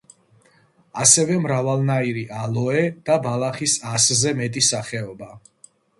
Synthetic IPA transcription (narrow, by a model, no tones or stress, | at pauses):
asɛvɛmɾavalˠnaiɾiʔalˠɔɛd̪̥abalˠaχisaszɛmɛt̪ʼisaχɛɔba